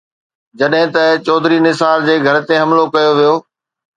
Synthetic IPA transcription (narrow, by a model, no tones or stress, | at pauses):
d͡ʑɐɗɦɪ̃t̪ɐt͡ɕɔːd̪ʱɾinɪsaːld͡ʑeːɡʱɐɾ̆t̪ẽɦɐ̃mlokɐjoʋijoː